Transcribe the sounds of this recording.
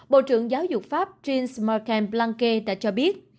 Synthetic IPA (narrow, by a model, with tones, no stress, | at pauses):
ɓo̰˧˨t͡ɕɨ̰˧˨əŋzaː˨˦wzʊ˨˩k͡p̚faː˦˥p̚t͡ɕi˧nsma˧kɛ˧nplaː˧ŋke˧ɗa̰ː˧˥t͡ɕɔ˧ɓi˦˥ət̚